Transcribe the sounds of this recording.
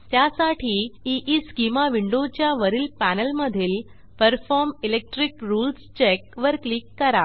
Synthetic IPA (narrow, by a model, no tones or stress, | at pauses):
t̪jasaʈʰiːiʔiskimaʋiɳɖot͡ɕjaʋəɾiːlpænəlməd̪ʱiːl | pəɾfɔɾmilek̚ʈɾikɾuːlst͡ɕekʋəɾklikːəɾa